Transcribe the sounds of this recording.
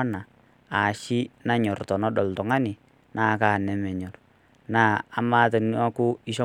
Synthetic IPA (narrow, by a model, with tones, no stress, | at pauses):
na˨ | a˨ʃi˦na˦ɲɔ˨rtɔ˨nɔ˦ɗɔ˨ltɔ˨ŋa˦nɪ˨ | naː˦kaː˦˨nɛ˨mɛ˨ɲɔ˨r | naː˦˨a˨ma˦te˨n˦a˦kʊ˦ɪ˦ʃɔ˦